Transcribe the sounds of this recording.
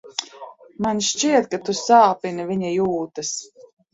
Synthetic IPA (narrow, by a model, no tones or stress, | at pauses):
manʃt͡ʃiɛt̪̚kat̪usaːpinavʲiɲajuːt̪ɨs